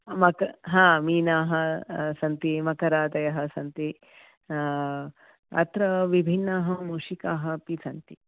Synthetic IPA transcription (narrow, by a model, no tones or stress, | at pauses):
mɐkɐɦãːmiːnaːɦɐsɐnt̪imɐkɐɾaːt̪ɐjɐɦɐsɐnt̪i | ɐ̰t̪ɾɐʋibʱinːaːɦɐmuːʂikaːɦɐ̆pisɐnt̪i